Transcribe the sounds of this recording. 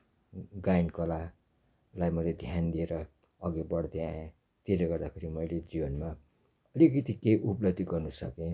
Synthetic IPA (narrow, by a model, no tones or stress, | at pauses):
ɡajnkʌla | lajmʌjled̪ʱjand̪ieɾʌ | ʌɡebʌɽd̪eã | t̪ileɡʌrd̪akʰeɾimʌjled͡zibʌnma | ʌlikʌt̪ikeʔuplʌb̚d̪ʱiɡʌrnusʌkẽ